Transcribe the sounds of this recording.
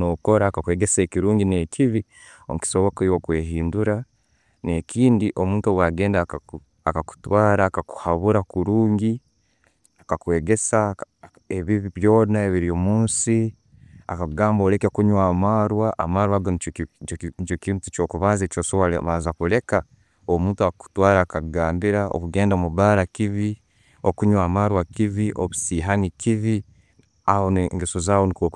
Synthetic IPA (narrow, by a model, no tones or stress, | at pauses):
noko̞ɾaːkakwe̞ːɡe̞se̞ːkiɾuːɲɟine̞ciβi | omuki̥so̞βokoiwokwe̞ːɦiːnduɾa | ne̞kiːndiʔo̞muːntuowaɡe̞ːndaku | akaku̥twaːɾaːkaku̥haβuɾakuɾuːɲɟi | akakwe̞ːɡe̞sa | eβiβiβjo̞ːnaeβiɾijomuːnsi | a̰kaɡaːmboːɾekekuɲwaːmaːɾwaʔa̰maːɾwaɡoni | t͡ʃokimtu̥t͡ʃoːkuβaːzet͡ʃoːsoβal̰βazakule̞ka | omuːntuaku̥twaːɾaːkaɡaːmbiɾao̰kuɡe̞ːndamuβaːɾakiβi | okuɲwaːmaːɾwakiβiʔoβusiːɦanikiβi | ahonŋɡesozaːwonikok